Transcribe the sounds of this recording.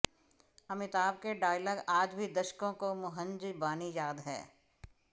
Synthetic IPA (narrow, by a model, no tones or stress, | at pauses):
ɐmɪt̪aːb̚keɖaːɪləɡaːd͡ʒbʱid̪ɐʃkõkomʊɦə̃nd͡ʒbaːnijaːd̪ɦɛ̰ː